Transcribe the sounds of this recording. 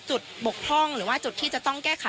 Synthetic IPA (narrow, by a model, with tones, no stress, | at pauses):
t͡ɕu˨˩t̪̚bo˨˩k̚pʰɔ˥˩ŋɾɯː˩˦waː˥˩t͡ɕu˨˩t̪ʰːiː˥˩t͡ɕa˨˩ʔt̪ɔ˥˩ŋkɛː˥˩kʰa˨˦